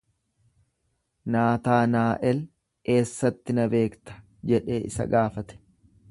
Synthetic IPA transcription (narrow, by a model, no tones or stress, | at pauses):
naːt̪aːnaːʔɛl | ke̞ːsːɐt̪ːɪnɐbe̞ːkt̪ɐ̥ | d͡ʒɛᶑe̞ːʔɪsɐ̰ɡaːfɐt̪ɛ̥